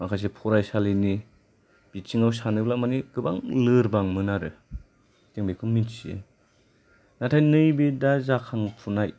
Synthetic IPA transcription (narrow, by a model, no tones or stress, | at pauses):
makʰajs̬epʰɔɾajsalini | b̥it͡ʃiŋawsanɯblamaniɡɯbaŋlɯɾbaŋmɯnaɾɯ | teŋbekʰɯminsiḛ | natʰajnɯjbidazakʰaŋpʰunaj